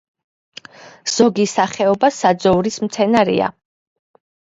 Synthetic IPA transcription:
z̥ɔɡisaχɛɔbasad̪zɔuɾismt̪sʰɛnaɾḭa̰

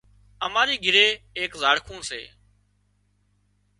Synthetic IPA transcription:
əmaːɾiːɡʱɪɾeːeːkzaːɽkʰũːsḛː

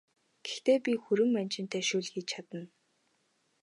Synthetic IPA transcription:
ɡ̥ext̪eːpʲixuɾɘ̆mmænt͡ɕɪ̆nt̪ʰeːʃuːɮxiːt͡ɕʰat̪ə̆n

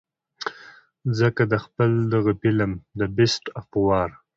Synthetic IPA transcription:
zəkad̪əxpəld̪əɣapɪlamd̪əbɪsʈapwɑɾ

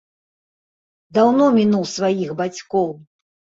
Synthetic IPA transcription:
d̪awnɔmʲinuwsvajixbat͡sʲkɔw

